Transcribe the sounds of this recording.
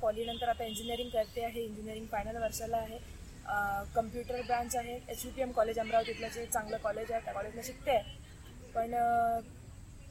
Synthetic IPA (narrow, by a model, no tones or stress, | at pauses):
fɔlinənt̪əɾat̪aiɲd͡ʑiniəɾĩŋɡkəɾt̪eaɦeiɲd͡ʑinijəɾiŋɡfajnəlʋəɾʂalaːɦe | kəmpjuʈəɾbɾãɳt͡saɦeet͡ɕʋipiemkɔled͡ʑambɾawt̪it̪ljat͡set͡saŋɡləkɔled͡ʑaɦet̪jakɔled͡ʑməɕik̚t̪e | pəɳ